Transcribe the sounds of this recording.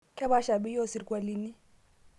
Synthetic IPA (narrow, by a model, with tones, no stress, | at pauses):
kʰʼɛ˦ba˦ʃa˨ɓi˦jɔ˦˨si˨ɾikʼwa˨li˦ni˦